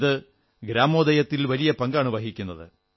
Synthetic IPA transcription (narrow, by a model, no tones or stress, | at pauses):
ðɨ | ɡɾaːmo̞ːd̪ɐjɐt̪ːilʋɐlijɐpɐŋɡaːɳɨʋɐɦikʲːunːɐðɨ̰